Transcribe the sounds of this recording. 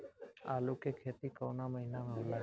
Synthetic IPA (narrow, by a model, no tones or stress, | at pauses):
a̰ːlukekʰeːt̪ikəːnaməɦinamẽɦʊla